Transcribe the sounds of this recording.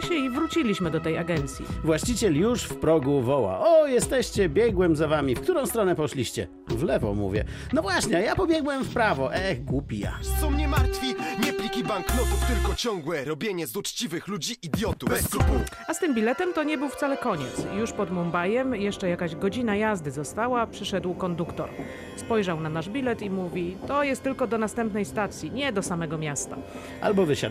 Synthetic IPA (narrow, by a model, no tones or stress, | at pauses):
ɕɛivɾut͡ɕilʲiɕmɘd̪ɔt̪ɛjaɡɛnt̪sʲjḭvwaɕt͡ɕit͡ɕɛljuʂfpɾɔɡuvɔwa̰ʔɔjɛst̪ɛɕt͡ɕɛbʲjɛɡwɛmzavamʲifkt̪uɾɔ̃w̃st̪ɾɔnɛpɔʂlʲiɕt͡ɕɛ̰ | vlɛvɔ̰mṵvʲjɛ̰ | nɔvwaɕɲɛjapɔbʲjɛɡwɛmfpɾavɔʔɛxɡupʲija̰sɔwɲɛmaɾt̪fʲiɲɛplʲikʲibaŋklɔt̪uft̪ɘlkɔt͡ɕɔŋɡwɛɾɔbʲjeɲɛzut͡ʂt͡ɕivɘxlud͡ʑiʔːd̪ʲjɔt̪uu | ast̪ɘmbʲilɛt̪ɛmt̪ɔɲɛbɘwft̪salɛkɔɲɛt̪sjuʂpɔd̪mɔmbajɛmjɛʂt͡ʂɛjakaʑɡɔd͡ʑinajazd̪ɘzɔst̪awapʂɘʂɛd̪wkɔnd̪ukt̪ɔ̰ɾ | spɔjʐawnanaʐbʲilɛt̪imuvʲit̪ɔjɛst̪ːɘlkɔd̪ɔnast̪ɛmpnɛjst̪at̪sʲjiɲɛd̪ɔsamɛɡɔmʲjast̪a̰ | ʔa̰lbɔvɘɕa̰